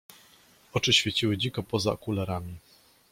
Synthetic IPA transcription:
ɔt͡ʂɘɕfʲet͡ɕiwɘd͡ʑikɔpɔza̰ɔkulɛɾamʲi

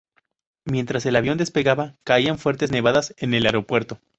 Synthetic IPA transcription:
mje̞nt̪ɾase̞laβjo̞nd̪e̞spe̞ɣaβakaiaɱfwe̞ɾt̪e̞zne̞βaðase̞ne̞laɾo̞pwe̞ɾt̪o̞

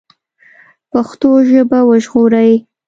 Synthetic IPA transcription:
paxt̪oʒəbawəʒɣoɾaji

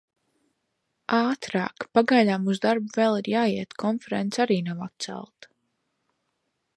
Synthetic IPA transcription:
aːt̪ɾa̰ːkpaɡajd̪aːmuzd̪aɾbuvɛlˠiɾjaːjiɛt̪kʰɔnfɛɾɛ̰nt̪saɾiːnawat̪̚t̪sæ̰lˠt̪

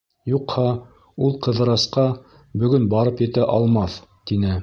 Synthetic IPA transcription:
juqhɑ | ulˠqɤ̆ðɤ̆ɾɑsqɑ | bɵ̆ɡɵnbɑɾɤpjɘ̆t̪æʔɑlˠmɑθt̪inɘ

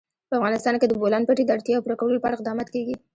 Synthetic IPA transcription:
pəafɣɑnɪst̪ɑnked̪əbolɑnpaʈed̪əaɽt̪jɑawpuɾakawəlopəaɽaɪqd̪ɑmɑt̪keɡi

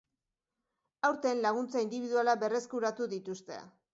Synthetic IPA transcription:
awɾt̪enlaɣ̞unt͡saind̪iβiðualaβe̞re̞skuɾat̪uðit̪ust̪e̞̰

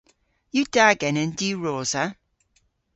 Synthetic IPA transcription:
jəd̥aɡɛnə̃ndəɹɔːz̥ə

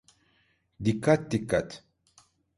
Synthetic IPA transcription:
d̪ikat̪ːikat̪

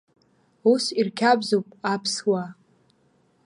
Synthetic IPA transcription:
usirkʲʰabzowpʼapʰswa

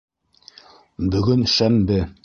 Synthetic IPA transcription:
bɵ̆ɡɵnʃæmd̪ɘ

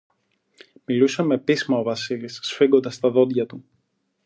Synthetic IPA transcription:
milusɐme̞pismɐo̞vɐsilisːfiɡo̞nd̪ɐst̪ɐðo̞d̪ʝɐt̪u

